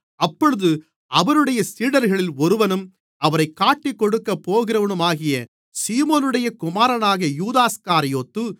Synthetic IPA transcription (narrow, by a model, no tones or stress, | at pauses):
ɐpːɔɻɯðɯ | ɐʋɐɾɯɽɐjɐsiːɽɐɾɣɐɭɪlɔɾɯʋɐnɯm | ɐʋɐɾɐɪkːaːʈːikːɔɽɯkːɐpːoːɣɪɾɐʋɐnɯmaːɣɪjɐ | siːmoːnɯɽɐjɐkʊmaːɾɐnaːɣɐjuːðaːskaːɾɪjoːt̪ːɯ